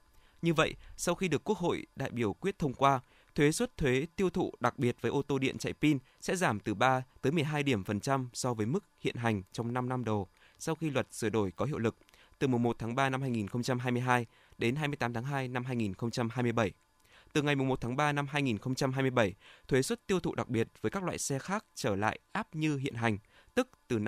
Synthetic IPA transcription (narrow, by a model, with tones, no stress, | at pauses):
ɲɨ˧və̰˧˨jʔsa˧wxi˧ɗɨ˨˩əkːu˦˥ək̚ho̰˧˨jɗa̰ː˧˨jɓi˧˩əwkwi˦˥ət̚t̪ʰə˧wŋ͡mkwaː˧ | t̪ʰwe˨˦swə˦˥t̚t̪ʰwe˨˦t̪i˧əwt̪ʰṵ˧˨ɗa˨˩k̚ɓi˨˩ət̚vəː˨˦ʔo˧t̪o˧ɗḭ˧˨ənt͡ɕa̰˧˨jpi˧n | sɛ̰˧˥zaː˧˩mt̪ɨ˨˩ɓaː˧t̪əː˨˦jmɨ˨˩əjɦaː˧jɗi˧˩əmfə˨˩nt͡ɕa˧msɔ˧vəː˨˦jmɨ˦˥k̚hḭ˧˨ənɦa˨˩jŋ̟t͡ɕɔ˧wŋ͡mna˧mna˧mɗo˨˩ | sa˧wxi˧lwə˨˩t̚sɨ˧˩əɗo˧˩jkɔ˨˦ɦḭ˧˨wlɨ˨˩k̚ | t̪ɨ˨˩mu˨˩ŋ͡mmo˨˩t̚t̪ʰaː˨˦ŋɓaː˧na˧mhaː˧jŋi˨˩nxə˧wŋ͡mt͡ɕa˧mɦaː˧jmɨ˧əjɦaː˧j | ɗe˨˦nɦaː˧mɨ˧ət̪aː˨˦mt̪ʰaː˨˦ŋɦaː˧jna˧mɦaː˧jŋi˨˩nxə˧wŋ͡mt͡ɕa˧mɦaː˧jmɨ˧əjɓə˧˩j | t̪ɨ˨˩ŋa˨˩jmu˨˩ŋ͡mmo˨˩t̚t̪ʰaː˨˦ŋɓaː˧na˧mɦaː˧jŋi˨˩nxə˧wŋ͡mt͡ɕa˧mɦaː˧jmɨ˧əjɓə˧˩jt̪ʰwe˨˦swə˦˥t̚t̪i˧əwt̪ʰṵ˧˨ɗa˨˩k̚ɓi˨˩ət̚vəː˨˦jkaː˦˥k̚la̰ː˧˨jsɛ˧xaː˦˥k̚t͡ɕəː˧˩la̰ː˧˨jʔaː˦˥p̚ɲɨ˧ɦḭ˧˨ənɦa˨˩jŋ̟ | t̪ɨ˦˥k̚t̪ɨ˨˩